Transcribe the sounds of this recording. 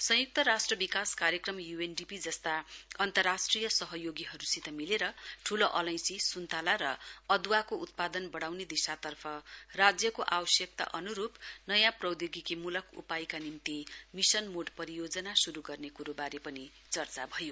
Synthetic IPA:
sʌ̃juk̚t̪ʌɾasʈrʌbikaskaɾjʌkrʌmjuenɖipid͡zʌst̪aʌnt̪ʌrːasʈrijʌsʌɦʌjoɡiɦʌɾusit̪ʌmileɾʌʈʰuloʔʌlʌj̃sisunt̪alaɾʌʌd̪wakout̪̚pad̪ʌnbʌɽawned̪isat̪ʌrpʰʌrad͡zjʌkoʔawʌsjʌk̚t̪a̰ʔʌnuɾupnʌjãprʌwd̪joɡikimulʌkʰṵpajkanimt̪imisʌnmoɖpʌɾijod͡zʌnasuɾuɡʌrnekuɾobaɾepʌni | t͡sʌrt͡sabʱʌjo

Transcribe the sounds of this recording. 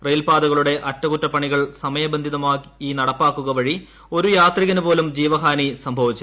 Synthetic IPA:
rejlpaːd̪ɐɣɐɭuɽe̞ʔɐtːɐkutːɐpɐɳiɣɐɭsɐmɐjɐbɐnd̪ʱiðɐmaːkinɐɽɐpːaːkːuɣɐʋɐɻi | o̞ɾujaːt̪riɣɐnupo̞ːlumd͡ʑiːʋɐɦaːnisɐmbʱɐʋit͡ɕːu

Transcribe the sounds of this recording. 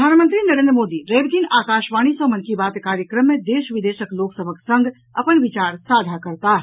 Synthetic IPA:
aːnmə̃nt̪ɾinəɾẽnd̪ɾəmoːd̪iɾeːbt̪iːnaːkaːʃʋaːɽ̃isɔ̃mənkibaːt̪kaːɾjəkɾəmːẽd̪eːʃʋɪd̪eːʃəkloːksəbʱəksə̃ŋɡ | ɐpənʋɪt͡ʃaːɾsaːd͡ʒ̪ʱakɐɾt̪aɦ

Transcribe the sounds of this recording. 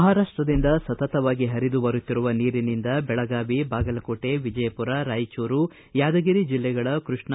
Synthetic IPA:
ɦaːɾaːʂʈɾɐd̪ind̪ɐsɐt̪ɐt̪ɐʋaːɡiɦɐɾid̪ubɐɾut̪ːiɾuʋɐniːɾinind̪ɐbɛɭɐɡaːʋibaːɡɐlɐkoːʈe̞ʋid͡ʒɐjɐpuɾaɾaːjt͡ʃuːɾu | jaːd̪ɐɡiɾid͡ʒilːɛɡɐɭɐkɾuʂɳ

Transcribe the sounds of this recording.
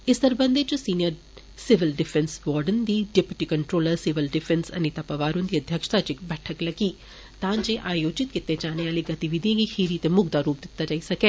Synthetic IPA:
ɪst̪əɾbə̃nd̪eːt͡ʃsiːnijəɾ | sɪʋɪlɖɪfʰɛ̃nsʋɔːɾɖənd̪iːɖɛpjuʈiːkəɳʈɾoːləɾsɪʋɪlɖɪfʰɛ̃nsə̰niːt̪apəʋaːɾʊ̃nd̪iːəd̪ʱjəkʃt̪aːt͡ʃɪkbɛːʈʰəkləɡiː | t̪ãːd͡ʒeːʔaːjoːd͡ʒɪt̪kɪt̪ːed͡ʒaːneaːleɡɐt̪iʋid̪iẽːɡikʰiːɾit̪emʊɡd̪aːɾuːp̚d̪ɪt̪ːad͡ʒaːisɐkeː

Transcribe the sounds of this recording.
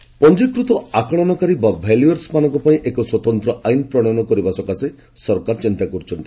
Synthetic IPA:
pɔnd͡ʒikɾut̪ɔakɔɽ̃ɔnɔkaɾibabʱeljuaɾsmanɔŋkɔpaĩʔekɔswɔt̪ɔnt̪ɾɔʔajnpɾɔɽ̃ɔnɔkɔɾibasɔkase | sɔɾkaɾt͡ʃint̪akɔɾut͡ʃʰɔnt̪ii̥

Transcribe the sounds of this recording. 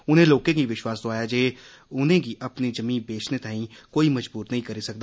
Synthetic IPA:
ʊnɦẽloːkẽkiʋɪʃwaːsd̪oaːjad͡ʒeː | ʊnẽkiʔɐpnid͡ʒɐmĩːnbeːt͡ʃʰnet̪aːɦĩkoːimɐd͡ʒbuːɾnɐɦĩkɐɾisɐk̚d̪aː

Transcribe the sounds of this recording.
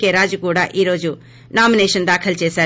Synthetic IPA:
keɾaːd͡ʒkoːɽaʔiɾoːd͡ʒuː | naːmineːʃənd̪aːkʰəlt͡ʃeːsɐ

